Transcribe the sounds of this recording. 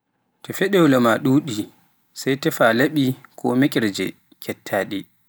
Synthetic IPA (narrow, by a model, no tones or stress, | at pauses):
tɛfɛɗɛwlamaɗuːɗi | sajtɛfalaɓikʰɔmekʼɛɾd͡ʒɛ̰ | kʰɛtʰːaːɗi